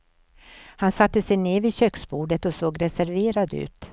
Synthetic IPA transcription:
hansat̪ːəsɛjneːvɪɕøːksbuːɖət̪ɔsoːɡɾɛsæɾveːɾad̪ʉ̟̰ːt̪

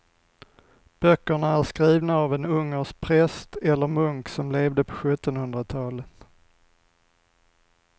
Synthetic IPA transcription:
b̥œkːəɳaæɾskɾiːvnaːvɛnɵŋːəʂpʰɾɛst̪ɛlːəɾmɵŋksɔmleːvd̪əpʰɔ̥ɧɵt̪ːɔnhɵnd̪ɾat̪ʰɑːlət̪

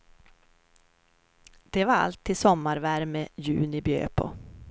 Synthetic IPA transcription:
d̪̥ɛvaɾa̰lt̪ʰːiːsɔmːaɾvæɾmɛjʉ̟ːnɪbjø̰ːpʰɔ̰

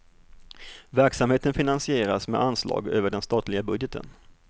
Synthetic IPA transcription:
væɾksamheːt̪ənfɪnansɪeːɾasmɛ̰ʔanslɑ̰ːɡøːvəɖɛnst̪ɑːt̪lɪɡabɵd̪jət̪ʰə̰n

